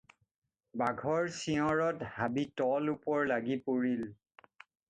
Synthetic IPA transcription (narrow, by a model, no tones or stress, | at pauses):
baɡʱɔɹsiɔ̃ɹɔthabitɔlupɔɹlaɡipoɹil